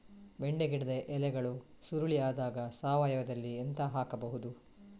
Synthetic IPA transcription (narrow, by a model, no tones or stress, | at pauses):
ʋeɳɖeɡiɽɐd̪eʔɛlɛɡɐɭu | suɾuɭiaːd̪aːɡɐsaːʋaːjɐʋɐd̪ɐlːient̪ɐɦaːkɐbɐɦud̪u